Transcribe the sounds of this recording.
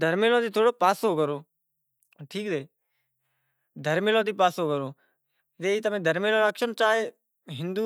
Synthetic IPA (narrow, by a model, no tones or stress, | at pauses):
d̪ʱəɾmeːlãːt̪iːt̪ʰoːɽoːpaːsoːkəɾoː | ʈʰiːkseː | d̪ʱəɾmeːlãːt̪iːpaːsoːkəɾoː | t̪eːt̪əmẽːd̪ʱəɾmeːlãːɾəkʃənt͡ʃaːɦeː | ɦɪnd̪uː